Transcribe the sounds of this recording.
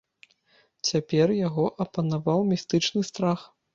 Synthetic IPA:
t͡sʲapʲɛrjaɣɔʔɐpɐnavawmʲist̪ɨt͡ʂnɨst̪ɾax

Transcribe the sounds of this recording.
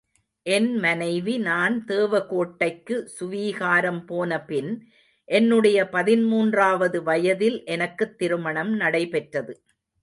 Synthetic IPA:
ʔɛnmɐnɐɪʋinaːnt̪eːʋɐkoːʈːɐɪkːɯsʊʋiːɣaːɾɐmpoːnɐpɪn | ʔɛnːɯɽɐjɐpɐðɪnmuːndraːʋɐðɯʋɐjɐðɪlʔɛnɐkːɯt̪ːɪɾɯmɐɳɐmnɐɽɐɪpɛʈrɐðɯ

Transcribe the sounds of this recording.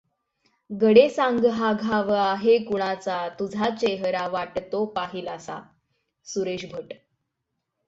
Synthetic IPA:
ɡəɽesãŋɡɦaɡʱaʋəaɦekuɽ̃at͡sat̪ud͡zʱat͡ɕeɦɾaʋaʈt̪opaɦiːlasa̰ | suɾeɕbʱəʈ

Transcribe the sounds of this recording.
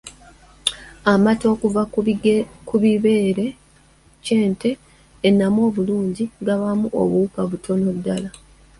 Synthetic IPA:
amato̞ːkuva | kuβiβeːɾe̞ | ce̞ːnte̞ː | nːamwo̞ːβuluːɲɟiɡaβamuʔo̰βukaβutʰo̞no̞βudala

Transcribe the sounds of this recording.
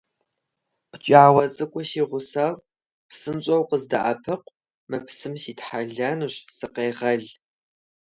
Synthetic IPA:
pʷt͡ʃʼiʕwɐt͡sʼɨkʷʼʊsiːʁʷʊsar | psɨnt͡ʃʷʼɐwqəzda̰ʔɐpʰɨqʷ | mɨpsɨmsiːtħaɮanɨɕsɨqeːʁɐɮ

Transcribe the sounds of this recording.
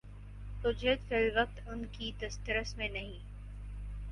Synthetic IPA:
t̪ʊd͡ʒət̪kəliʋək̚t̪ʊnkid̪ɐst̪ɾəsmẽnɐɦĩː

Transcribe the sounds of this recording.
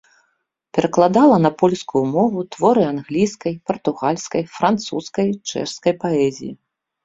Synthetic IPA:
pʲɛɾɐklˠad̪alˠɐnɐpɔlʲskujumɔvut̪vɔɾɨanɣlʲijskɐjpɐrt̪uɣalʲskɐjfɾant̪suskɐjt͡ʂɛ̰ʂskɐjpaɛzʲḭjḭ

